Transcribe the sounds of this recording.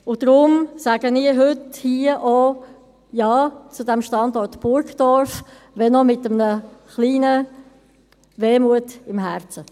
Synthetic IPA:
ʊd̥ɾʊmsæːɡ̥əniːəɦʏthiəʔo | jɑːt͡sʊdɛmʃtɑndɔɾtb̥ʊɾkd̥ɔɾf | ʋɛnɔmɪtəmnəχliːnə | ʋeːmuətɪmɦɛɾt͡sə

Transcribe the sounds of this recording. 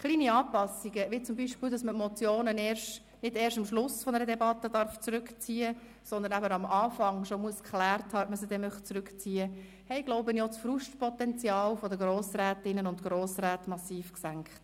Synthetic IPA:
χliːniɑːpɑsiɡəʋɪt͡sʊmbiːʃpiːldɑsmətmɔt͡sjoːnənɛːɾʃt | nɪdɛːɾʃtɑmʃlʊsfɔnəɾədɛbɑt̪ːədɑɾft͡sɾʉkt͡siːə | sɔnd̪ənæbəɑmɑːfɑŋʃɔmuəskχlæːɾthɑːœtməsəd̥̪ɛmœχtt͡sɾʉkt͡siːə | hɛɪɡloʊbənjɔsfɾuʃtpʰɔtɛnt͡sjɑːlfɔdəɡɾoːsɾæːtɪnənʊntɡ̥ɾoːsɾæːtmɑsiːfksæŋkχt

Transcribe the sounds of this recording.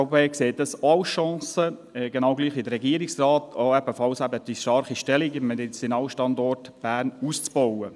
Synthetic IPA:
peːkseːt̚ɑsɑwʃɑ̃ːsəɡenɑwɡliːχid̪əɾɛɡiːɾɪksrɑːtʰoɛb̥əfɑlsɛbəd̥iʃtɑɾχiʃtɛliɡmɛtɪsɪnɑwʃtɑndɔrtb̥æːɾnuːst͡sb̥ɔwə

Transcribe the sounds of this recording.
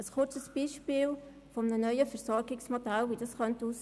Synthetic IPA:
əsχʊrt͡səsb̥iʃpɪːl | fɔmənənœʏəfəɾsɔɾɡɪksmodælʋid̥ɑsχœnt̪uːs

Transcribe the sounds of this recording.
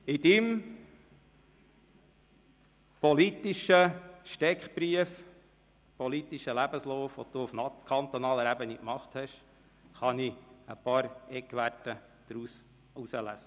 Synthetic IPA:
ɪd̥̪ɪm | pɔlit̪iʃəʃtɛkχb̥ɾiəf | pɔlit̪iʃəlæbəslɔːfʋɔ̰d̪uːufnɑkʰɑnt̪ɔnɑːləɾæbənikmɑχt̪hɛʃ | χɑniəpɑːɾɛkʋætə | d̥̪ɾus | usəlæ̰sə

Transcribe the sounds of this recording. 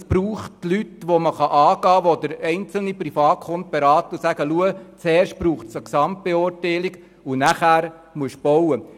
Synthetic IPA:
sb̥ɾuːχtlytʋoməχɑʔɑːɡɑːʋod̪əɾɛɪnt͡sl̩nipɾifɑːkχʊnt̪̚b̥eɾɑːt̪ʊsæɡ̥əluət͡sɛːɾʃt̚pɾuːχtt͡səksɑmt̚b̥eʊːɾtɛɪliɡ | ʊnæχæːɾ | muəʃb̥ɔwə

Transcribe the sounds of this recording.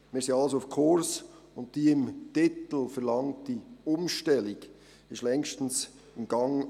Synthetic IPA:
miːseɑlsoafkʰʊɹs | ʊntd̥iːɪmtɪtl̩fɛɾlɑŋtd̥iʊmʃtɛlɪɡ̥ | ɪʃtlɛŋʃtn̩s | ɪmɡ̥ɑŋ

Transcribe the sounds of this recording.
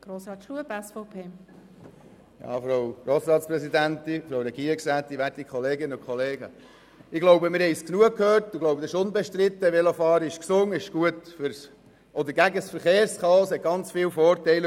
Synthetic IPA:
ɡ̥ɾoːsɾɑːt̪ʃuəbɛsfɔʊpʰeː | jɑ̰ːfɾowɾoːsɾɑːt̪t͡spɾɛsid̪ænt̪ifɾowɾɛɡiːɾksæːt̪̚tːiʋætikʰχɔleːɡɪnəʊkχʰɔleːɡə | ɪɡlɔwbəmɪɾhɛɪsknuəkʰhøːɾtɪɡlɔwbəd̪ɛɪʃʊnbɛʃtɾɪt̪ːəʋɛlofɑːɾəɪʃksʊŋːəɪʃɡ̥uətfʏɾs | ʔɔd̪əɾɡæɡəsfəɾχeːɾskɑshɛt̚ɡ̥ɑnt͡sfɪːwfɔːrtɛɪl

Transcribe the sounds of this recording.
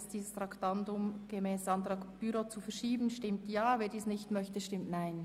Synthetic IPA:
sd̥iːsəstʁɑktandʊmɡ̥əmɛːsɑntɾɑːkb̥yɾot͡sufɛɾʃiːbn̩ʃtɪmtjaːveːɐdiːsnɪçtmœçtəʃtɪmtnaɪn

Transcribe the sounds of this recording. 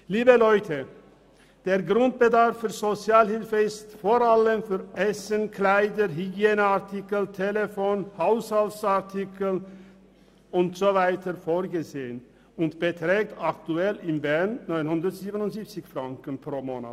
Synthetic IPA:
liːbəlɔʏtʰə | d̥eːɐɡʁʊnt̚b̥ədaʁfyːɐzot͡sjaːlhɪlfəɪstfoːʁaləmfyːɐʔɛsənklaɪdəɦyɡjeːnəaʁtʰɪkl̩tʰelefoːnhaʊshaltsaʁtʰɪkl̩ | ʊntz̥ovaɪtəfoːʁɡəzeːən | ʊntb̥ətʁ̥ɛːk̚taktuɛlɪmvɛʁnːɔʏnhʊndɐtz̥iːbənʊntz̥iːp̚t͡sɪçfʁaŋkən̩pʁ̥oːmoːna̰t

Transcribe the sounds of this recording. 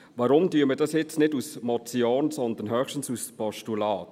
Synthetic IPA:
ʋɑɾʊmtyəmədɑsjɪt͡snɪdusmɔt͡siɔːnsɔnd̪ənɦœːχʃtən̩suspɔʃtulɑːt

